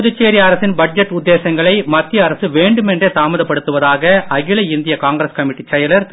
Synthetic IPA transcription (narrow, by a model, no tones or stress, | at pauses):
ðɯt͡ʃːeːɾijɐɾɐsɪnbɐʈ̚d͡ʒɛʈːʊd̪ːeːsɐŋɡɐɭɐɪmɐt̪ːɪjɐːɾɐsɯʋeːɳɖɯmɛndreːt̪aːmɐðɐpːɐɽɯt̪ːɯʋɐðaːɣɐɐɣɪɭɐɪɪnd̪ɪjɐkaːŋɡɾɐskɐmɪʈːit͡ʃːɐjɐlɐɾt̪